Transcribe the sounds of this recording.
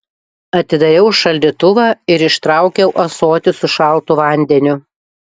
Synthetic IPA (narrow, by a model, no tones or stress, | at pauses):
ɐt̪ʲɪd̪ɐɾʲɛʊʃɐlʲd̪ʲit̪ʊʋɑːɪɾɪʃt̪ɾɑˑʊkʲɛʊʔɐsoːt̪ʲɪsʊʃɑlˠt̪ʊʋɐˑnʲd̪ʲɛnʲʊ